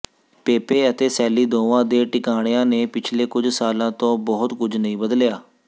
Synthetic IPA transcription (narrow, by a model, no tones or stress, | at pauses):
peːpeːət̪eːsɛːliːd̪õːʋãːd̪eːʈɪkaːɽ̃jãːneːpɪt͡ʃʰleːkʊd͡ʒsaːlãːt̪õːbɔɦʊt̪kʊd͡ʒnəɦĩːbəd̪ljaː